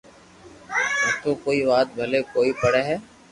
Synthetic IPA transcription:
ɛːt̪oːkoːiːʋaːt̪̚bʱəleːkoːiːpəɽeːɦɛː

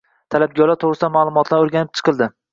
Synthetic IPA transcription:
t̪ʰalap̚ɡʲɒlat̪ʰoʁɾɨsɪd̪anmalˠʊmɒt̪ʰlaɾoɾɡʲanɪp̚t͡ʃʰɨ̥qʰɨlˠd̪ɪ

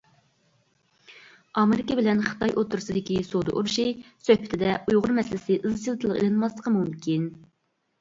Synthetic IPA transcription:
ɑmɪɾɪkəbɪlɛnχə̥t̪ʰɑjʔot̪ʰːʊɾɨsɨd̪ɪkʲisod̪ɨ̰ʔṵɾʃisøhpɪt̪ʰɪd̪ɛujʁʊɾmɛsɪlɪsɪʔɨzt͡ʃʰilˠt̪ʰɨlˠəqḛlɨnmɑslˠəqʰəmumkʲin

